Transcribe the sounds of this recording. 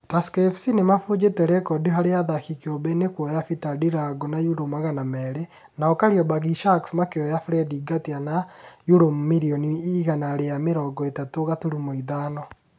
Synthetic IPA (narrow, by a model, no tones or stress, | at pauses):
taskefsinemafud͡ʒeteɾɛkɔdiɦaɾeaðaxikeobenekwɔjafitadiɾaɡonajuɾomaɣanamɛɾe | naɔkaɾiɔbaɣiʃaksmakeɔjafɾɛdiɡatianajuɾommiɾiɔniiɣanaɾejameɾɔːɡɔetatoɣatuɾumoiðanɔ